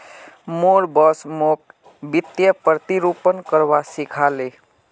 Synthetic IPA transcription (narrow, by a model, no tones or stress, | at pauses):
moɾbɔsmok̚ | bit̪jəpɾət̪iɾupənkəɾbasikʰale